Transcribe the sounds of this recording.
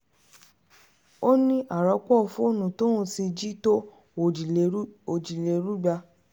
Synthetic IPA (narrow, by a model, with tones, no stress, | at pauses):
o˦nĩ˦ʔa˨ɾɔ˨˧˦k͡pɔ˦˨fũ˦o˦˨nũ˨to˦ũ˦ti˧d͡ʒi˦to˦˨˦ | o˨d͡ʒi˨le˨ɾu˦ɡ͡ba˧